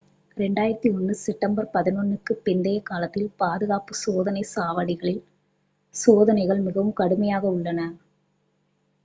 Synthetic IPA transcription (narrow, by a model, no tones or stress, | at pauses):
ɾɛɳɖaːjɪɾɐt̪ːiɔnːɯsɛʈːɐmbɐɾpɐðɪnonːɯkːɯpːɪnd̪ɐjɐkːaːlɐt̪ːɪlpaːðɯɣaːpɯsoːðɐnɐɪsaːʋɐɽɪɣɐɭɪl | soːðɐnɐɪɣɐɭmɪɣɐʋɯmkɐɽɯmɐjaːɣɐʊɭːɐnɐ